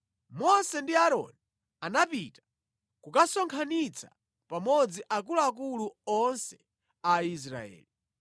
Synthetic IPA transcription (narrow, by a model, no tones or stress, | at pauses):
mɔsɛndiaɾɔ̰ni | anapitḁ | kukasɔŋkʰanit͡sʰa̰ | pamɔd͡ziʔak̬uluak̬uluɔnsɛ | ais̬ɾa̰ɛ̰ːli